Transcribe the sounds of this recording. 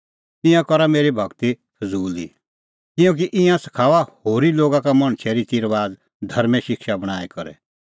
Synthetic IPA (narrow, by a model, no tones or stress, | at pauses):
t̪ɪ̃jãkɔɾameːɾibʱɐɡt̪i | pʰɐzuːlḭ | kɪ̃jõːk̬iʔɪ̃jãsɐ̥kʰaːʋahoːɾiloːɡãkamɔ̃ɽ̃t͡ʃʰɛɾit̪iɾʋaːd͡z | d̪ʱɐɾmɛ̃ʃɪkʃabɐɽ̃aːɛkɔɾɛ̰